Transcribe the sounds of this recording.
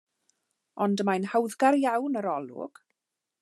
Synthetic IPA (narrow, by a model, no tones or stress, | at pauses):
ɔndəmajnhawðɡarjawnəɾɔlˠʊ̰ɡ̥